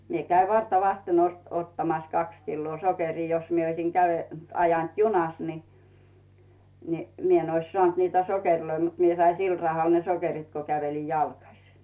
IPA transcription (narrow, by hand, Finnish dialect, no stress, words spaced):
mie kæiʋ ʋɑrtɑʋɑsten ost otːɑmɑs kɑks kilːoː sokeriː jos mie oisiŋ ɡ̊æʋe ɑjɑnt junɑs ni ni mie n ois sŏɑˑnt niːtæ sokerloi mut mie sɑi sil rɑhɑl ne sokerit ko kæʋeli jɑlkɑsi̥